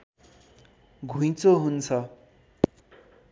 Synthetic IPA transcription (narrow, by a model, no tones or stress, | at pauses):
ɡʱũj̃t͡soɦunt͡sʰʌ